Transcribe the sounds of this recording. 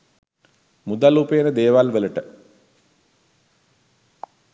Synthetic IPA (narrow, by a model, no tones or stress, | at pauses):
mud̪alupeənəd̪eːʋalʋələʈə